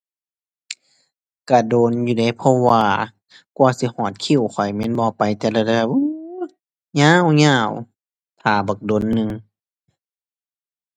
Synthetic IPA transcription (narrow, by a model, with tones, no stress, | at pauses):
ka˧˩doː˨njuː˧da˧˩jpʰɔ˧waː˧ | kwaː˧˩si˧˦hɔː˧˩t̪̚kʰi˧˩˨wkʰɔ˨˩jmɛ˧˥˨nbɔː˧˦pa˨jt̪ɛː˧˩la˧˩da˧˩bɛ˧˩p̚ʔɯ˧˥ | ɲãː˧˥˨wɲaː˧˩˨w | t̪ʰaː˨˩bɔ˨˩k̚doː˨nːɯ˧ŋ